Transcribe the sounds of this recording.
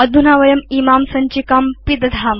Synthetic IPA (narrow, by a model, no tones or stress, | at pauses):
ɐd̪ʱunaːʋɐjɐmimaːmsɐɲt͡ɕikaːmpid̪d̪ʱaːm